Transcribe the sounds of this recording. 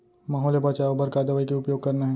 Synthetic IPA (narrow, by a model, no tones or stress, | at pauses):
maːɦɔːljebat͡ʃaobɐɾkaːd̪əʋaːikeʊpjoːɡ̚kɐɾnaɦɛ̃